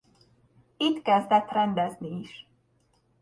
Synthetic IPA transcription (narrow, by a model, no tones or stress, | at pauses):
it̪kɛzd̪ɛt̪rɛnd̪ɛzniːʃ